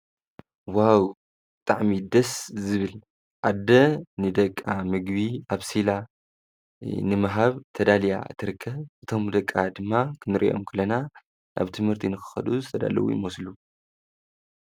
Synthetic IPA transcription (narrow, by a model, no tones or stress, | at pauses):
waw | bɨt̪ʼaʕmid̪ɐszɨβɨl | ʔad̪ːɐnɨd̪ɐkʼːamɨɡβiʔaβsila | nɨmaɦaβt̪ʰɐd̪alija̰t̪ʰːɨɾɨkʰːɐβʔɨt̪ʰo̞md̪ɐkʼːad̪ɨmːakʰɨnɨɾʔḭʔo̞̰mkʰɨlɐna | nʔa̰βt̪ʰɨmhɨɾt̪ʰinɨxɨ̥xɐ̰d̪uzɨt̪ʰɐd̪a̰lɐ̰wṵjḭmoslu